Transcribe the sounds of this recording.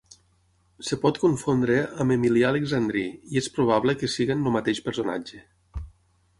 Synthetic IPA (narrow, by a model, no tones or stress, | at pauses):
sepɔt̪koɱfond̪ɾeamemiliaːleɡzand̪ɾiiespɾuβ̞aβlekesiɣenlumat̪eʃpeɾsona̰d͡ʒe